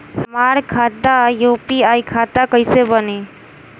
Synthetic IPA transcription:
həmaɾkʰat̪ːajupiajkʰat̪akəɪsebəne

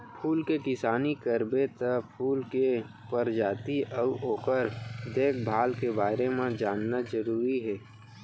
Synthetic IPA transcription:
pʰuːlkekɪsaːnikəɾbet̪əpʰuːlke | pəɾd͡ʒaːt̪iʔəuoːkəɾd̪eːk̚ʰbʱaːlkebaːɾemẽd͡ʒaːnːazəɾuːɾiɦɛː

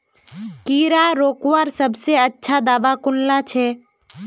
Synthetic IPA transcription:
kiɾaɾoːkʋaɾsəbʱseətːʃʰad̪aːbakʊnlat͡ʃʰɛ

